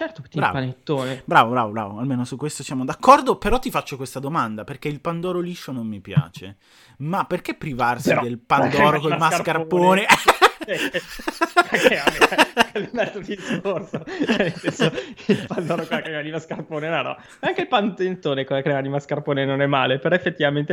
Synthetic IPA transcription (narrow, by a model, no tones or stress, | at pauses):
t͡ʃɛrt̪ot̪ːbɾa̰ːvpanet̪ːoːnebɾaːvobɾa̰ːvobɾa̰ːvoalmeːnosukːwest̪osjamod̪akʰːɔrd̪opeɾɔt̪ːifat͡ʃːokwest̪ad̪omand̪aperkeilpand̪ɔːɾoliʃːonomːipja̰ːt͡ʃḛ | mapːerk̟epːɾivarsid̪elpad̪ɔːɾokomaskarpːoːne | akeaelmɛod̪iiskorsot͡ʃɛnːelsɛnsoilpand̪ɔːɾokwelakeɛmanimaskarpoːnenɔnɔ̰ | aŋkeilpant̪ent̪oːnekwelːakɾɛmanimaskarpoːnenonɛmːaːlepeɾɔefːet̪ːivament̪e